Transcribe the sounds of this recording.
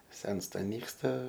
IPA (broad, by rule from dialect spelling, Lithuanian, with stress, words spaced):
ˈsʲɛnstɐ ˈnʲiːkstɐ